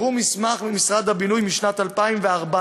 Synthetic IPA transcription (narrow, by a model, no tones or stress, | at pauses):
umismaχmimisʁad̪habinujmiʃnat̪alpaimveaʁba